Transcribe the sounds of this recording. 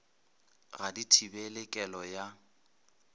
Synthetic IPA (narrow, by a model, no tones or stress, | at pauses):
ɣaditʰibɛlɛkʼɛlɔja